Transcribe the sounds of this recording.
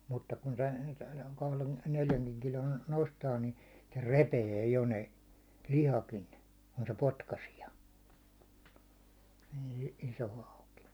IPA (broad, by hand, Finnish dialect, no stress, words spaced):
mutːɑ kun tæn kɑhlen neljæŋkiŋ kilon nostɑː ni se repeː jo ne lihɑkin ku se potkɑsiɑ iː iso hɑuki